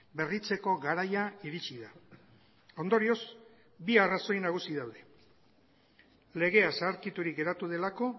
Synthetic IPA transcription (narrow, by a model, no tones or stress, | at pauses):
be̞rit͡se̞ko̞ɣaɾajaiɾit͡ʃiða | o̞nd̪o̞ɾio̞s | biaraso̞jnaɣ̞usiðawðe̞ | le̞ɣ̞e̞asaːɾkit̪uɾik̚ɡe̞ɾat̪uð̞e̞lako̞